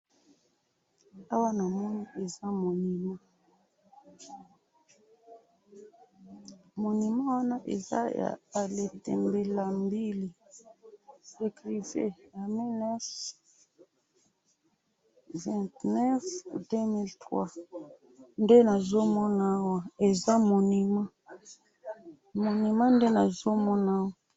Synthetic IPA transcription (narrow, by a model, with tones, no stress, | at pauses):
a˦wa˦na˨mɔ˦ni˦ʔe˨za˦mo˨ni˨mã˦ | mo˨ni˨mã˦wa˦na˦ʔḛ˨za̰˦ja̰˨a˨le˨tɛ̰˨mbe˨la˨mbi˦li˨ | se˨kʁi˨vḛ˦˨ja˨mi˦nɛ˦s | vɛ̃˨ntnɛ˦fde˦mi˦ltʁwa̰˦ | nde˦na˨zo˦mɔ˦na˦wa˦e˨za˦mo˨ni˨ma˦ | mo˨ni˨mã˦nde˦na˨zo˦mɔ˦na˦wa˦